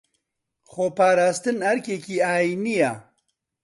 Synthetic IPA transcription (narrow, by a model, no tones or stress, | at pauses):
xoːpaːɾaːst̪ɨnɐɾkeːkiːaːjiːnija